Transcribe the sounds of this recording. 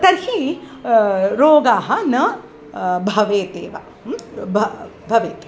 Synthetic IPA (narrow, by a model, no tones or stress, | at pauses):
t̪ɐɾhi | ɾoːɡaːɦɐnɐ | bʱɐʋeːt̪eːʋa̰ | bʱɐbʱɐʋeːt̪eː